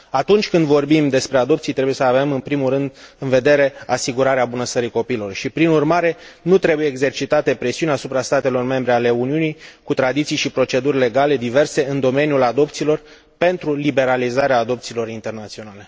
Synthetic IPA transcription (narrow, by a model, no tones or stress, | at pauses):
at̪unt͡ʃʲkɨnd̪vo̞rbimd̪e̞spɾe̞ad̪o̞pt̪sijt̪ɾe̞bujesəave̞mɨnpɾimulɾɨnd̪ɨnve̞d̪e̞ɾe̞asiɡuɾaɾeabunəst̪əɾiko̞piːlo̞rʃipɾinurmaɾe̞nut̪ɾe̞bujeːɡze̞rt͡ʃit̪at̪e̞pɾe̞siunʲasupɾast̪at̪e̞lo̞rme̞mbɾe̞ale̞uniunijkut̪ɾad̪it̪sijʃipɾo̞t͡ʃe̞d̪urʲle̞ɡale̞d̪ive̞rse̞ɨnd̪o̞me̞njulad̪o̞p̚t̪siːlo̞r | pe̞nt̪ɾulibe̞ɾalizaɾeaːd̪o̞p̚t̪siːlo̞ɾint̪e̞rnat̪sio̞nale̞